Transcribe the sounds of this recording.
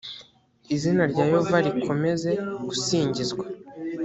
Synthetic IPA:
izinaɾɟaːjovaɾikʰo̞me̞ze̞ɡ̥usiːɲɟizɡwa

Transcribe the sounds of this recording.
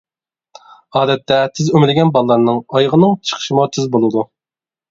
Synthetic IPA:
ɑːd̪ɛt̪ːɛt̪ʰɪzømɪlɪɡʲɛnbɑlˠlˠɑɾnɨŋɑjʁənɨŋt͡ʃʰə̥χʰə̥ʃimɑt̪ʰɪzbolˠɨd̪u

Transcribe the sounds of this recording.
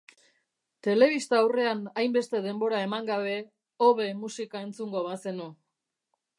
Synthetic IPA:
t̪e̞le̞βist̪aːwre̞anajmbe̞st̪e̞ðe̞mbo̞ɾae̞maŋɡaβe̞ | oβe̞musikae̞nt͡suŋɡo̞βase̞nu

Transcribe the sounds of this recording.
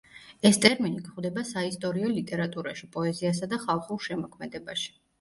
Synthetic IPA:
ɛst̪ʼɛɾminikχwd̪ɛbasaist̪ʼɔɾiɔlit̪ʼɛɾat̪ʼuɾaʃipʼɔɛzias̬ad̪aχalˠχulˠʃɛmɔkʰmɛd̪ɛbaʃi̥

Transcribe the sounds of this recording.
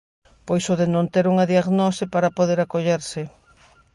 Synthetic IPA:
pojsoðɪnõnt̪eɾuŋɐðiaɣnosɪpaɾapoðeɾakoʎeɾsɪ

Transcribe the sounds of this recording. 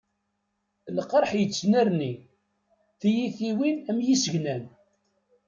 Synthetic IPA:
ləqɾˤħjət͡sːnæɾni | θijiθiwinæmjisəʝnæn

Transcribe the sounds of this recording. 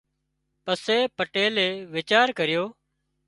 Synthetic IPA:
pəseːpəʈeːleːʋɪt͡ʃaːɾkəɾɪjoː

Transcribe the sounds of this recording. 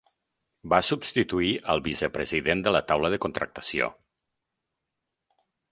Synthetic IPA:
basubst̪it̪uiʔəlˠβizəpɾəziðend̪ələt̪awləðəkunt̪ɾək̚t̪ə̥sio̰

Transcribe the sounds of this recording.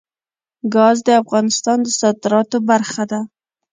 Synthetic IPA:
ɡɑzd̪əafɣɑnɪst̪ɑnd̪əsɑd̪ɪɾɑt̪obaɾxad̪a

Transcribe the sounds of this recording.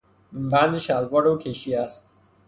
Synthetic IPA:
bænd̪eʃælbɒːɾukʰeʃiːæst̪

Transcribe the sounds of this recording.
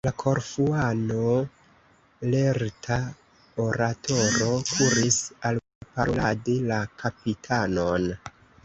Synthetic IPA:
lakʰo̞ɾfuano | leɾtʰa | oɾatʰo̞ɾo̞kʰuɾisal | paɾoladelakʰapitʰano̞n

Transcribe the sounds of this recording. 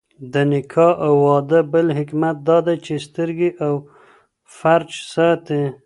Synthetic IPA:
d̪ənɪkʰɑʔawːɑd̪əbəlɦɪkmat̪̚d̪ɑd̪ajt͡ʃest̪əɾɡeʔaw | faɾd͡ʒsɑt̪e

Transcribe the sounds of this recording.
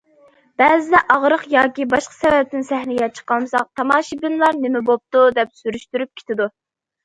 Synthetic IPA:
b̥ɛːzɪd̪ɛʔɑʁɾəqjɑːkʲibɑʃqʰɑ̥sɛvɛp̚t̪ɪnsɛhnɪɡʲɛt͡ʃʰə̥qɑlˠmɨsɑ̰q̚t̪ʰɑmɑːʃibɪnlˠɑɾnɪmɪbop̚t̪ud̪ɛpsyɾyʃt̪yɾyp̚kʲʰe̥t̪ʰɪd̪u

